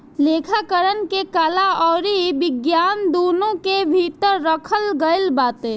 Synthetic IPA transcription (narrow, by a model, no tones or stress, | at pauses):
leːkʰakəɾənkekalaɔːɾibɪɡjaːnd̪oːnõkebʱit̪əɾːəkʰəlɡəɪlbaːt̪e